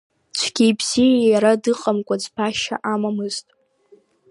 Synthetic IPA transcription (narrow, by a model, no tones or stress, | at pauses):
t͡ʃʷʰɡ̥ʲijbz̥ijjjaɾadɨqʼamkʷʼad͡zpʰaʃa̰ʔamamɨztʼ